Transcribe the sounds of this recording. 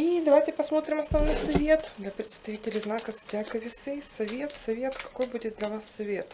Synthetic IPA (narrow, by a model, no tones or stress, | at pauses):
id̪ɐʋajtʲɪpɐsmot̪ɾʲɪmɐsnɐvnojsɐvʲet̪d̪lʲɐpɾʲɪt̪st̪ɐvʲitʲɪlʲɪznɑkɐstʲakɐʋʲɪsɛjsɐʋʲet̪sɐvʲeɛt̪kɐ̥kojbudʲɪt̪̚d̪lʲɐʋasːɐʋʲet̪